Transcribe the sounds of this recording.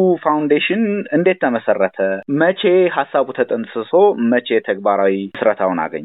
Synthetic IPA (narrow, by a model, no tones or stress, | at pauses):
ufawnd̪eʃɪnɨnd̪e̞t̪ʰːəməsərːət̪ʰəmət͡ʃʰe̞ɦasːaβut̪ʰət̪ʼɨnsɨso̞mət͡ʃʰe̞t̪ʰəɡbaɾawiɨsɾət̪ʰawna̰ɡə̰ɲː